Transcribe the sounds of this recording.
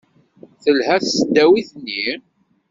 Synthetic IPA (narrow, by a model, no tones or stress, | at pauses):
θəlɦæθsəd̪ːæwiθnːi